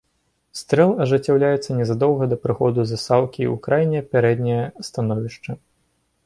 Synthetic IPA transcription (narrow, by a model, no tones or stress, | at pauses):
st̪ɾɛlˠɐʐɨt͡sʲːawlʲajɛt̪sːɐnʲɛzad̪ɔwɣɐd̪ɐpɾɨxɔd̪uzɐsalˠkʲiṵkɾajnʲɛɐpʲɛɾɛd̪ʲnʲɛjɐst̪anɔvʲiʂt͡ʂɐ